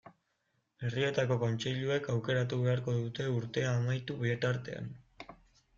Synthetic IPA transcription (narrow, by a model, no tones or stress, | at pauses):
e̞rie̞t̪ako̞ko̞nt͡ʃeʎue̞kawke̞ɾat̪uβe̞aɾko̞ðut̪e̞uɾt̪e̞aːmajt̪uβiet̪aɾt̪e̞̰a̰n